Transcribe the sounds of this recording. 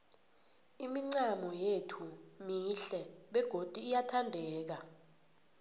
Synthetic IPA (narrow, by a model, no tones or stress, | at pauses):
imiŋ͡ǀamɔjetʰumiɬɛɓɛɡ̥ʱod̥ʱiːjatʰandʱɛːk̬a